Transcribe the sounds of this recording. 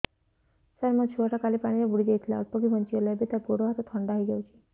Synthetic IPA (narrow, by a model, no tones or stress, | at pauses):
saɾmɔt͡ʃʰuaʈʰakalipaɽ̃iɾebuɽid͡ʒejt̪ʰila̰ɔ̰t̪̚pɔɡibʱɔnt͡ʃiɔlebet̪apuɽoɦat̪ɔt̪ʰɔɳɖaɦijɡɔwt͡ʃʰi̥